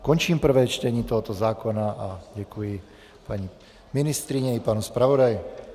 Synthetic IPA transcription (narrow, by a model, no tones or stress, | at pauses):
kɔɲt͡ʃiːmpr̩ʋɛːt͡ʃt̪ɛɲiːt̪ɔɦɔt̪ɔzaːkɔnaʔaɟakuji | paɲi | minist̪ɾiɲɛipaːnɔspɾaʋɔd̪aj